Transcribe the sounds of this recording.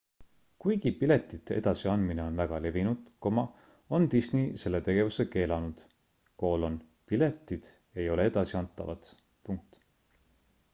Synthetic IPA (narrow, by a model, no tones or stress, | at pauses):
kujɡ̥ipile̞t̪ːˑit̪ːˑe̞̰d̪̥ɑsiɑnd̪̥mine̞o̞nvæɡ̥ɑle̞vinud̪̥ko̞mɑ | o̞nt̪isnise̞lːet̪e̞ɡ̥e̞vuseke̞ːlɑnud̪̥ | ko̞ːlo̞n | pile̞t̪ˑːid̪̥ | e̞jo̞lee̞d̪̥ɑsiɑnt̪ːˑɑ̰vɑ̰t̪ | puŋk̚t̪ˑ